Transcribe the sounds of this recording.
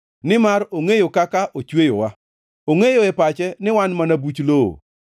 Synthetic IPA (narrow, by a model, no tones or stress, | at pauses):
nɪmaɾoŋejokakaʔot͡ʃwejowa | oŋejoɛpat͡ʃɛnɪwanmanabut͡ʃloo̰